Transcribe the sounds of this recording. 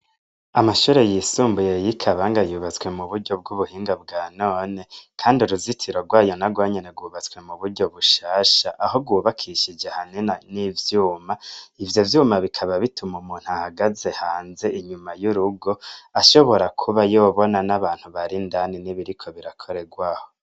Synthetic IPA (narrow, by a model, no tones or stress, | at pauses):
amaʃuːɾe̞jisuːmbuje̞jikʰaβaŋɡajuːβat͡swe̞muβuɾɟo̞b̚ɡuβuhiːŋɡabɡaːno̞ːnekʰaːndiuɾuzitʰiɾoɾɡwaːjo̞naɡwaːɲeneɡwuːβat͡swe̞muβuɾɟo̞βuʃaːʃaʔaho̞ɡwuːβakʰiʃid͡ʒehaninanivjuːmaivjo̞vjuːmaβikʰaβaβitʰumumuːn̥huahaɡaze̞haːnze̞ʔiɲumajuɾuɡo̞aʃo̞βo̞ɾakʰuβajoːβo̞nanaβaːn̥huβaɾindaniniβiɾikʰo̞βiɾakʰo̞ɾe̞ɡwaho̞